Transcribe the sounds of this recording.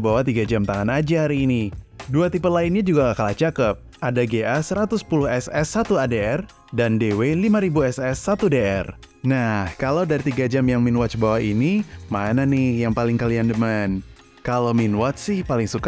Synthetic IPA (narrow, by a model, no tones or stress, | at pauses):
bawat̪iɡad͡ʒamt̪aŋanad͡ʒahaɾiːni | duat̪ipət̪̚laɪnɲad͡ʒuɡaŋakalat͡ʃakəp̚ʔadaɡeʔasəɾat̪ʊspulʊhɛsɛsːat̪uadeɛr | dandewelimaɾibuɛsɛsːat̪udeɛr | nahkalawdaɾit̪iɡad͡ʒamjaŋminwat͡ʃbawainimananɪhjaŋpalɪŋkaliandəman | kalominwɔt͡ʃ̚sɪhpalɪŋsuka